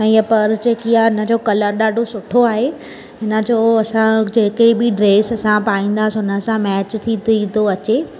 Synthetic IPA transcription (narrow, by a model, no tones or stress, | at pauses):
ɛ̃ːɐpɐɾd͡ʑeːkijaɦɪnə̆d͡ʑoːkɐləɾɗaːɖʱosʊʈʰoaːɦe | ɦɪnə̆d͡ʑoːɐsãd͡ʑeːkɽibɪɖɾeːsɐsãpaːĩːn̆d̪aːsɪʊnə̆sãmɛːt͡ɕt̪ʰĩt̪ĩd̪oɐt͡ɕeː